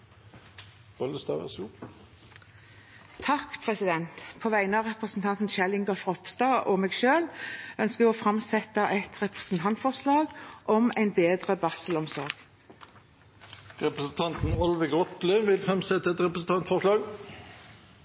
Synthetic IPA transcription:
b̥ɔləst̪ɑ̰ʋə̰suː | t̪ʰɑkpʰʁɛsɪd̪ɛnt̪pʰoːʋæɪnəɑʁɛpʁəsn̩t̪ʰɑnt̪n̩ʃɛlɪŋɡɑfʁɔpst̪ɑːʔɔmeːɡʃøːlœnskəʋɔːfʁɑmsɛt̪əʔɛt̪ʁɛpʁə̥sn̩t̪ʰɑnt̪fɔʁʂlɑːɡʔɔmæɪnbeːd̪ʁəbɑsəlɔmsɔɾɡ̥ | ʁɛpɾəsn̩t̪ʰɑnt̪n̩ɑlʋəɡʁɔt̪lɪʋɪlfʁɑmsɛt̪ːəɛt̪ʁɛpɾəsn̩t̪ɑnt̪fɔʁʂlɑːɡ

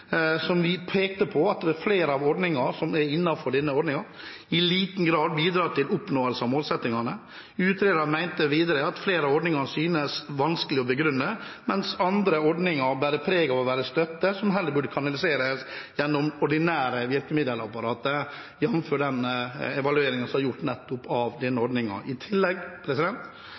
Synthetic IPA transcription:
sɔmʋɪpʰeːk̚t̪əpʰɔɑt̪̚d̪ɛɛfleːɾəɑʋɔɖnɪŋɑɾsɔmɛɾɪnːɑfɔɖɛnːəɔɖnɪŋɑɾ | ɪliːt̪n̩ɡɾɑːd̪̚biːd̪ɾɑːt̪ʰɪlʊpnoːəlsəɑmoːlsɛt̪nɪŋɑnə | ʉːt̪ʰɾeːd̪ɑmæɪnt̪əʋiːd̪əɾəɑt̪fleːɾəɑɔɖnɪŋɑsyːnəsʋɑnskəlɪɔbəɡɾʉnːəmɛnsɑnd̪ɾəɔɖnɪŋɑɾbæɾəpʰɾeːɡɑʋɔʋæːɾəst̪œt̪ːəsɔmɦɛlːəɾbʉɖəkʰɑnɑlɪseːɾəsjɛnːɔmɔɖɪnæːɾəʋɪɾkəmɪd̪əlɑpɑɾɑːt̪ə | jɛnːmføːɖɛnɛʋɑlʉeːɾɪŋɑnsɔmhɑjʊʈːnɛt̪ːʊpɑʋd̪ɛnːəɔɾɖnɪŋɑ̰ɾʔɪt̪ʰɪlːɛɡpʰɾɛsɪd̪ɛnt̪

